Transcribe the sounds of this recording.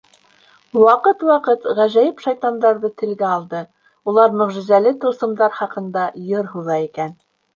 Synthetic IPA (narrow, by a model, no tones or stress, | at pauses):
wɑqɤt̪wɑqɤt̪ʁæʒæjɘpʃɑjt̪ɑnd̪ɑɾðɤt̪ɘ̆lɡæɑlˠd̪ɤ | ulˠɑɾmɵ̆ʁʒɘ̆zælɘt̪ŏɾsɤ̆md̪ɑɾχɑqɤ̆nd̪ɑjɤɾɦuðɑikæn